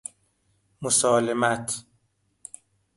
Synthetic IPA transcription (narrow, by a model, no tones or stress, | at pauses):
mosɒːlemæt̪ʰ